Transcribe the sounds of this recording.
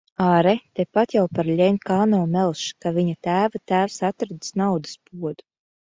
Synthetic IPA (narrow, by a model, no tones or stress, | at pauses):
aːɾɛt̪ɛpat̪jawpaɾlʲɛmʲkaːnɔwmɛlˠʃkavʲiɲat̪æːvat̪æːwsat̪ɾad̪snawd̪ɨ̥spuɔd̪u